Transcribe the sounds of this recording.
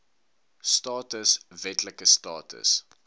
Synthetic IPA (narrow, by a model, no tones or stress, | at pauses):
stɑːtəsvɛtləkəstɑːtə̰s